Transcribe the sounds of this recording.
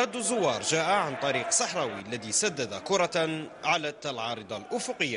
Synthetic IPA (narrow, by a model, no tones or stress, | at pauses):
ɑd̪ːzːʊwːɑːɾˤʒaːʔaʕant̪ˤɑɾiːqsˤɑħɾˤɑːwiʔlːæðisad̪ːad̪akʊɾˤɑʕalat̪alʕɑːɾˤɨd̪ˤɑlʔʊfʊqəjːa